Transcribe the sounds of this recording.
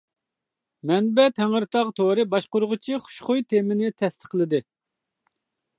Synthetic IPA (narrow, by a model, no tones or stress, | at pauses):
mɛnbɛt̪ʰɛŋɨɾt̪ʰɑʁt̪ʰoɾɨbɑʃqʊɾʊʁʊt͡ʃʰiχʊ̥ʃχʊjt̪ʰemɪnɪt̪ʰɛst̪ʰə̥qlˠɨd̪ɨ